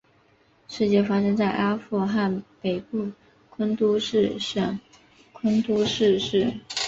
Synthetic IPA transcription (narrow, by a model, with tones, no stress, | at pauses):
ʂɻ̩˥˧t͡ɕjɛ˥˩fa˥ʂɤ˥ŋt͡sa˥˩ɪʔa˥fu˥˧xa˥˩npe˨˩ɪpu˥˩ | kʰwə˥nt̪u˥ʂɻ̩˥˧ʂə˥˩ŋ | kʰwə˥nt̪u˥ʂɻ̩˥˧ʂɻ̩˥˩